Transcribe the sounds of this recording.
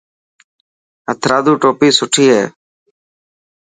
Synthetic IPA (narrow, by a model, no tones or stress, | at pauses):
ət̪ʰɾaːd̪uːʈoːpiːsʊʈʰiːɦɛː